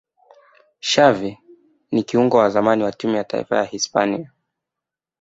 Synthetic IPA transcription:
ʃavi | nikiuŋɡɔwazamaniwatimujata̰ḭfa̰jahispa̰nia

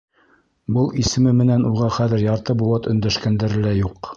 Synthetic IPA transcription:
bɤlˠisɘ̆mɘmɘ̆nænuʁɑχæðɘ̆ɾjɑɾt̪ɤbulˠɑt̪ɵ̆nd̪æʃkænd̪æɾɘ̆læjuq

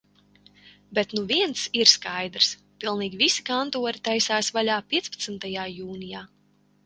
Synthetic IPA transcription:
bɛt̪nuviɛnt̪siɾskajd̪ɾs | pilˠniːɡʲivisi̥kant̪uɔɾit̪ajsaːsvalʲaːpʲiɛspḁt̪sɨnt̪ajaːjuːnijaː

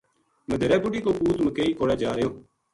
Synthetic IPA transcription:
məd̪ʱəɾɛːbʊɖiːkoːpuːt̪məkeːiːkoːɽɛːd͡ʒaːɾəjoː

